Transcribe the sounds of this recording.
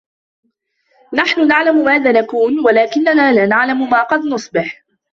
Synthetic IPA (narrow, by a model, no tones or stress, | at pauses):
naħnʊnaʕlamʊmaːðaːnakuːnwalaːkɪnːanaːlaːnaʕlamʊmaːqɑd̪nʊsˤbɪħ